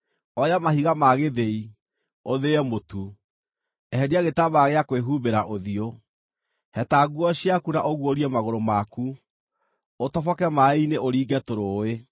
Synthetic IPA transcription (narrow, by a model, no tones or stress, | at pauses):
ɔjamahiɣamaɣeðei | oðeɛmotu | ɛɦɛdiaɣetaβaɣeakweɦubeɾaʔoðio | hɛtaɣuɔɕiakunaʔoɣwoɾiɛmaɣoɾomaku | otɔfɔkɛmaineʔoɾiːɡɛtoɾoe